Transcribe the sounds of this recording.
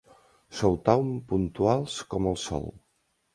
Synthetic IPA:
sowt̪awmpunt̪ualˠskɔməlˠsɔ̰lˠ

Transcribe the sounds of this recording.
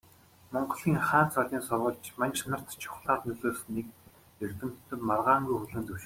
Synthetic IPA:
mɔɴɢɞ̆ɮiːŋχaːn̥t͡sʰɔɮʲiːnsʊrʁɞ̆ɮt͡ɕmaŋʃnə̆r̥t̪t͡ɕʰʊ̥χɮaːt̪nɵɮoːsnːiːk | ert̪ɘ̆m̥t̪ːɘ̆marʁaːŋɡujxɵɮɘ̆nt̪ɵwʃɘ̆

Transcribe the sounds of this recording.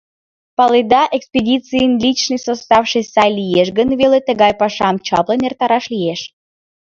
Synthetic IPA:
pɑled̪ɑʔekspʲedʲit͡sɨjənlʲit͡ɕnɨjsost̪ɑfʃɨsɑjlʲijeʃɡənvelet̪əɣɑjpɑʃɑmt͡ɕɑplˠənert̪ɑɾɑʃlʲijeʃ

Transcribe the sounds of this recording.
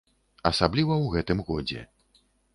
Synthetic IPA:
ɐsablʲivɐwɣɛt̪ɨmɣɔd͡zʲɛ̰

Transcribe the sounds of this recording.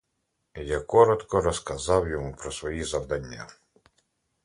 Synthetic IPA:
jakɔɾɔt̪kɔɾɔskɐzɑwjɔmupɾɔsʋɔjizɐwd̪ɐnʲːa̰

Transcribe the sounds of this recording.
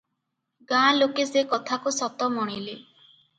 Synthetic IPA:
ɡãlokesekɔt̪ʰakusɔt̪ɔmɔɽ̃ile

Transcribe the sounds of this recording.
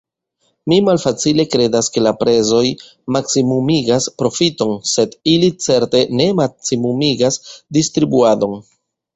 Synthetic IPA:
mimalfat͡sile̞kɾe̞daske̞lapɾe̞zo̞j | maksimumiɡaspɾo̞fito̞nse̞dilit͡se̞ɾte̞ne̞maksimumiɡasdistɾibuado̞n

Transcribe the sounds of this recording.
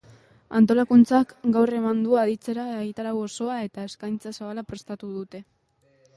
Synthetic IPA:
ant̪o̞lakunt͡sakɡawre̞mand̪uaðit͡se̞ɾaeɣit̪aɾaɣo̞so̞ae̞t̪ae̞skajnt͡sasaβalapɾe̞st̪at̪uðut̪e̞

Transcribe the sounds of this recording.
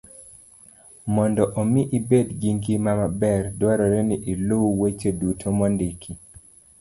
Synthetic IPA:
mɔndɔʔomiʔibedɡiŋɡimamabɛrdwaɾɔɾɛniʔilowet͡ʃedutʰomɔndikʰi

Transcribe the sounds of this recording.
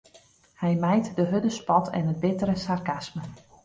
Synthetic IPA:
hɛjmɛjtdəɦødəspɔtʰɛ̰nət̚bɪtəɾəsarkasmə

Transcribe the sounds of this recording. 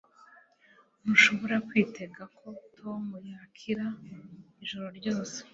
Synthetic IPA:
muʃo̞βo̞ɾakwiːte̞ɡakʰo̞tʰomujaːkʰiɾa | iʒoɾo̞ɾɟo̞ːse̥

